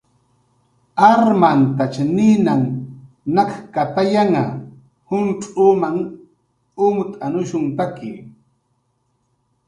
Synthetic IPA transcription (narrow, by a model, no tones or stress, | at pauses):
aɾmant̪at͡ʃanɪnaŋ | nakkat̪ajaŋa | hʊnʈ͡ʂʼuːmaŋ | ʊmt̪ʼanʊʃʊnt̪akɪ̰